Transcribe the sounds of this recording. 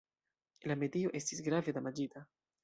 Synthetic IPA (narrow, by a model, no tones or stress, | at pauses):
lame̞dio̞ʔe̞stisɡɾave̞damad͡ʒita